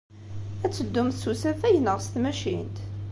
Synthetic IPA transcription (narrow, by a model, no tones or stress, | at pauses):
æt͡sːəd̪ːʊmθsusæθæjənəʁst̪mæʃḭnt̪